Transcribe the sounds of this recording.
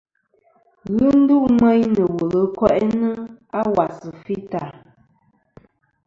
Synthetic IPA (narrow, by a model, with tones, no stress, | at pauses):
ɣɨ˦n̩˦du˦ʔmɛ˦ɲnə˨wo˨lə˨kwɛ˦ʔɛ˦nə˦a˦wa˨sə˨fi˦ta˨